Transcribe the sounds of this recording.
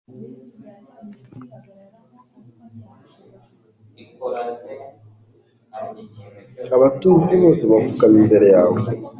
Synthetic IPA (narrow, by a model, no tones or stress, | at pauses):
aβatuːziβoːseβafukaniːmbe̞ɾe̞jaːβo